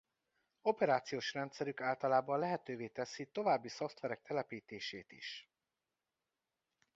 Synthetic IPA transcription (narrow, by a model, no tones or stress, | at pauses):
o̞pɛɾaːt̪sijoːʃrɛnt̪sɛɾykaːlt̪ɒlaːbɒnlɛɦɛt̪øːveːt̪ɛsit̪o̞vaːbːiso̞ft̪ʋɛɾɛk̚t̪ʰɛlɛpiːt̪eːʃeːt̪ḭʃ